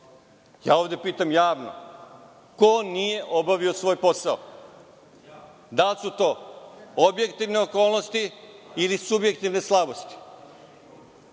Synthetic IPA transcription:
ja̰ːo̞ːʋd̪e̞piːt̪amjaːʋno̰ | konije̞ʔo̞baʋio̞sʋoːjpo̞sao | d̪alsut̪o̞ːobje̞kt̪iʋne̞oko̞ːlˠno̞st̪iilisubje̞kt̪iʋne̞slˠabo̞st̪i̥

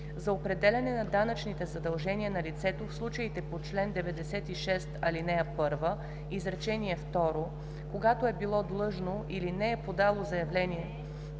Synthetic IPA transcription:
zɐopɾɛd̪ɛlʲɐnɛnɐd̪anət͡ʃnit̪ɛzɐd̪ɐlˠʒɛniənɐlit̪sɛt̪ofslˠut͡ʃəit̪ɛpot͡ʃlɛnd̪ɛvɛd̪ɛsɛt̪iʃɛst̪ɐlinɛɐpɤɾvə | izɾɐt͡ʃɛniɛft̪ɔɾo | koɡat̪oɛbilˠɔd̪lˠɤʒnoʔilinɛɛpod̪alˠozɐjɐvlɛniɛ

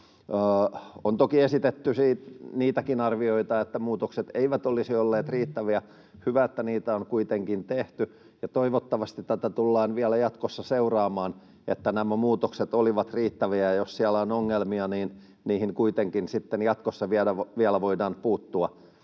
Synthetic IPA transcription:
əːont̪okiesit̪et̪ːysiːt̪niːt̪ækinɑrʋioit̪ɑet̪ːæmuːt̪okset̪eiʋæt̪olisiolːeːt̪riːt̪ːæʋiæ | hyʋæet̪ːæniːt̪æoŋkuit̪eŋkint̪eht̪y | jɑt̪oiʋot̪ːɑʋɑst̪it̪t̪ːæt̪æt̪ulːɑːnʋiælæjɑt̪kosːɑseurɑːmɑːn | ḛt̪ːænæmːæmuːt̪okset̪oliʋɑt̪riːt̪ːæʋiæjossiælæonoŋːelmiɑniːn | niːhiŋkuit̪eŋkinsit̪ːenjɑt̪kosːɑʋiælæʋiælæʋoidɑːnpuːt̪ːuɑ

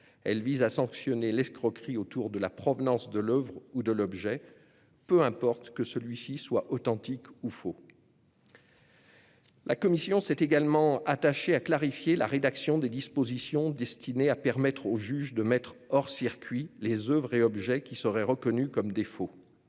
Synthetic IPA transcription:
ɛlvizasɑ̃ksjɔnelɛskχɔkχiot̪uʁd̪əlapχɔvnɑ̃sd̪əløvʁud̪əlɔbʒɛ | pøɛ̃pɔʁt̪kəsəlɥisiswaʔɔt̪ɑ̃t̪ikufo | lakɔmisjɔ̃sɛt̪eɡalmɑ̃at̪aʃeaklaʁifjela̰ʁed̪aksjɔ̃d̪ed̪ispozisjɔ̃d̪ɛst̪ineapɛʁmɛt̪χoʒyʒd̪əmɛt̪χɔʁsiʁkʲɥilezøvʁeɔbʒɛkʲisəʁɛʁəkɔnykɔmd̪efo

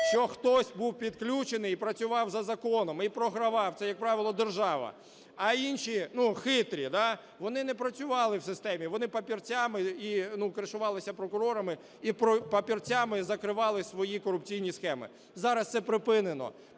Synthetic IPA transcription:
ʃt͡ʃɔxt̪ɔsʲbuwpʲid̪klʲut͡ʃenɪipɾɐt͡sʲʊʋɑwzɐzɐkɔnɔmipɾɔɦɾɐʋɑwt̪sɛjɐk̚pɾɑʋɪlˠɔd̪erʒɑʋɐ̰ | ɐinʃinuxɪt̪ɾʲid̪ɑ | ʋɔnɪnɛpɾɐt͡sʲʊʋɑlˠɪwsɪst̪ɛmʲiʋɔnɪpɐpʲirt͡sʲamɪinukɾɪʃʊʋɑlˠɪsʲɐpɾɔkʊɾɔɾɐmɪ | ipɔpɐpʲirt͡sʲamɪzɐkɾɪʋɑlˠɪsʋɔjikɔɾʊp̚t͡sʲijnʲisxɛmɪ̰ | zɑɾɐst̪sɛpɾɪpɪnenɔ̰

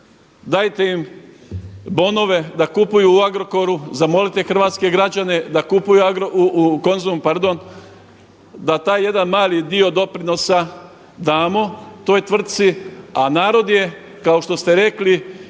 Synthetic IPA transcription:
d̪aːjt̪e̞im | bo̞no̞ʋe̞d̪akupujuːaɡɾo̞ko̞ɾuzamo̞lit̪exrʋaːt̪ske̞ɡɾad͡ʑane̞d̪akupujuaɡɾouko̞nzumpaɾd̪o̞n | d̪at̪aːjːe̞d̪anmaːlid̪io̞d̪o̞pɾino̞sa | d̪aːmo̞t̪o̞ːjt̪ʋr̩t̪t̪sianaːɾo̞d̪je̞ | kao̞ʃt̪o̞st̪e̞ɾe̞kli

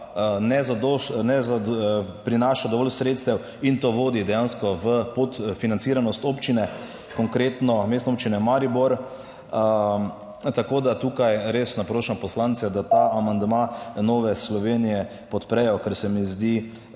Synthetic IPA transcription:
nɛzad̪onɛzapɾinaːʃad̪ɔʋɔlsɾeːt̪st̪ɛw | int̪oːʋoːd̪id̪ɛjanskɔʋəpot̪finant̪siːɾanɔst̪oːpt͡ʃinɛ | kɔŋkɾeːt̪nɔmeːst̪nopt͡ʃinɛmaɾiboɾ | t̪akoːd̪at̪uːkajɾesnapɾoːʃampɔslant̪sad̪at̪aamand̪manɔːʋɛslɔʋeːnijɛ | pɔt̪pɾɛjɔkɛɾsɛmizd̪i

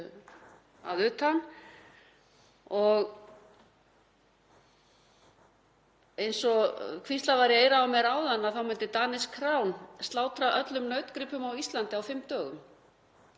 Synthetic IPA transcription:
a̰ðʏːt̪an | ɔɣ | ejnsɔkʰvist̪lavajɾɪeːjɾaawmɛɾawðanːaðθawmɛnt̪ɪt̪aːnɪskʰɾaːwnst̪laːwt̪ɾaʔœt̪lʏmnœɥt̪kɾɪːpʏmawist̪lant̪ɪawfɪmːt̪œːɣʏm

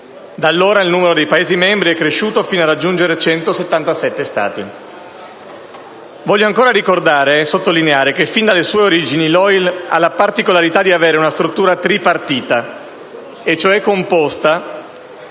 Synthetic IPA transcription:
d̪alːoːɾailnuːmeɾod̪ejpaeːzimɛmbɾiɛkːɾeʃːuːt̪ofiːnoarad͡ʒːund͡ʒeɾet͡ʃɛnt̪oset̪ːant̪asɛt̪ːest̪a̰ːt̪i | vɔʎːoaŋkoːɾaɾikord̪aːɾesot̪ːolineaːɾekefind̪alːesuːeoɾid͡ʒinilɔila̰lːapart̪ikolaɾit̪ad̪iaveːɾeunast̪ɾut̪ːuːɾat̪ɾipart̪iːt̪a | et͡ʃoɛkːompost̪a

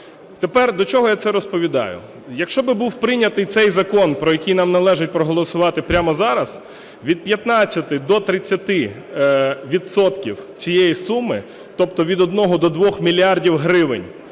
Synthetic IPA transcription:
t̪epɛrd̪ɔt͡ʃɔɦɔjat̪sɛɾɔspɔʋʲid̪ɑ̰jʊ̰ | jɐkʃt͡ʃɔbɪbuwpɾɪnʲɐt̪ɪjt̪sɛjzɐkɔnpɾɔjɐkʲijnɑmnɐlˠɛʒɪt̚ʲpɾɔɦɔlˠɔsʊʋɑt̪ɪpɾʲamɔzɑɾɐz | ʋʲid̪̚pʲjɐt̪nɑt͡sʲːɐt̪ɪd̪ɔt̪ɾɪt͡sʲːɐt̪ɪ | ʋʲid̪sɔt̪kʲiwt͡sʲijejisumɪ̰ | t̪ɔp̚t̪ɔʋʲid̪ɔd̪nɔɦɔd̪ɔd̪ʋɔxmʲilʲiɑrdʲiwɦɾɪʋɪ̰nʲ

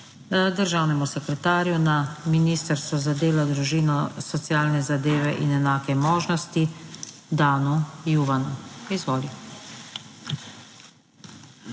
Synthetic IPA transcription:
d̪əɾʒaːwnɛmusɛkɾɛt̪aːɾjunaminiːst̪əɾst̪ʋɔzad̪eːlad̪ɾuʒiːnɔsɔt̪sjaːlnɛzad̪eːʋɛʔinɛnaːkɛmɔːʒnɔst̪i | d̪aːnujuːʋanuizʋoːli

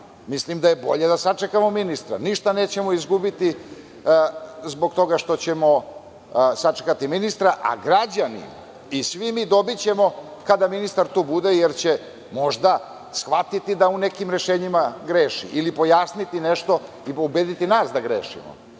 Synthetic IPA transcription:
mislimd̪aje̞bo̞̰ʎe̞d̪asat͡ʂekamominist̪ɾa̰niʃt̪ane̞ːt͡ɕemoizɡubit̪i | zboɡt̪o̞ɡaʃt̪o̞t͡ɕemo̞ | sat͡ʂekat̪iminist̪ɾaʔa̰ɡɾad͡ʑanḭ | isʋimid̪o̞bit͡ɕe̞mo̞kad̪aminist̪aɾt̪uːbud̪ejeɾt͡ɕe | mo̞ʒd̪a | sxʋat̪it̪id̪aune̞kimɾe̞ʃeːɲimaɡɾeːʃḭʔilipo̞jaːsnit̪ineʃt̪o̞ | ipobeːd̪it̪inaːsd̪aɡɾḛːʃḭmo̰

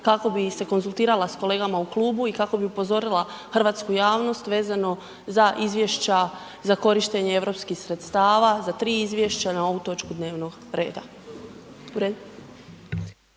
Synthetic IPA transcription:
kako̞bise̞ko̞nzulˠt̪iːɾalasko̞le̞ːɡamauklˠuːbuikako̞biupo̞zo̞ɾilˠa | xr̩ʋaːt̪skujaːʋno̞st̪ʋe̞ːzano̞ | zaʔizʋje̞ʃt͡ɕa | zako̞ɾiʃt̪e̞ɲee̞ʋɾo̞ːpskixsɾe̞t̪st̪aːʋazat̪ɾiːizʋjeʃt͡ɕanao̞ʋut̪o̞t͡ʃkud̪ne̞ːʋno̞ɡ | ɾe̞̰ːd̪a | e

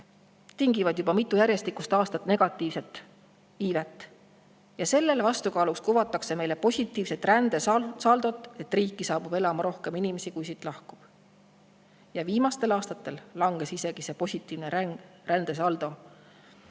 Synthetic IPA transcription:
t̪iŋɡivɑd̪jubɑmit̪ːˑujæɾje̞st̪ikːˑust̪ɑːst̪ɑt̪ːˑne̞ɡ̥ɑt̪ːˑiːvse̞t̪ːˑ | iːvet̪ːˑ | jɑse̞lːe̞lvɑst̪ukɑːlukskuvɑt̪ːˑɑkse̞me̞jle̞po̞sʲit̪ːˑiːvse̞t̪ːˑrænd̪̥essɑld̪̥ot̪ːˑe̞t̪ːriːkˑːisɑːb̥ub̥e̞lɑmɑɾo̞hke̞minimesikujsit̪ˑlɑhkub̥ | jɑviːmɑst̪e̞lɑːst̪ɑt̪ːˑe̞llɑŋɡ̥e̞sise̞ɡ̥ise̞po̞sʲit̪ˑːiːvneɾærænd̪̥e̞sɑld̪̥o̞

